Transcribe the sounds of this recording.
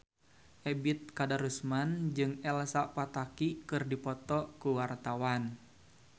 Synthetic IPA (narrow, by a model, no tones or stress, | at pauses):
ʔɛbit̪̚kadaɾusmand͡ʒɨŋɛlsapat̪akikɨrdipɔt̪ɔkuwart̪awan